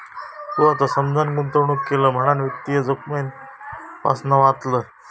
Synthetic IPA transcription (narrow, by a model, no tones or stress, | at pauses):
t̪uat̪asəmd͡zanɡunt̪əwɳukːeləm̤əɽ̃anʋit̪ːijəd͡zokmen | pa̰snaʋat̪lə